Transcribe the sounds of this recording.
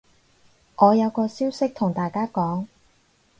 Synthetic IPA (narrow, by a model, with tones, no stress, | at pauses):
ʔɔː˨˧jɐ˨˧wkɔː˧siː˥wsɪ˥k̚t̪ʰʊ˨˩ŋt̪aː˨jkaː˥kɔː˨˥ŋ